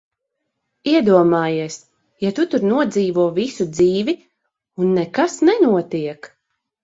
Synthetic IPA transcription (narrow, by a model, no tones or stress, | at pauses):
iɛd̪uɔmaːjiɛs | jat̪ut̪uɾnuɔd̪ziːvuɔvisud̪ziːvi | unːɛkasnɛnuɔt̪iɛk